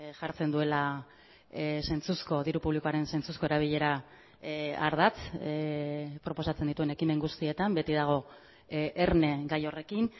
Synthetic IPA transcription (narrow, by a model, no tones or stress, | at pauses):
ʝaɾt͡se̞nd̪ue̞la | se̞nt͡susko̞ðiɾupuβlikoaɾe̞nse̞nt͡susko̞e̞ɾaβ̞iʎe̞ɾa | a̰ɾðat͡s | pɾo̞po̞sat͡send̪it̪ue̞ne̞kime̞ŋɡust̪ie̞t̪ambe̞t̪iðaɣ̞o̞ | eɾne̞ɡajo̞re̞kin